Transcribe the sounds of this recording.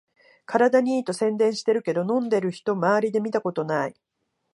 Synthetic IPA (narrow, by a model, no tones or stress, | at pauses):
kaɾad̪aɲ̟iːt̪o̞sẽ̞nd̪ẽ̞ɰ̃ɕi̥t̪e̞ɾɯ̟ke̞d̪o̞nõ̞nd̪e̞ɾɯ̟çi̥t̪o̞maːɾʲid̪e̞mʲit̪ako̞t̪o̞nai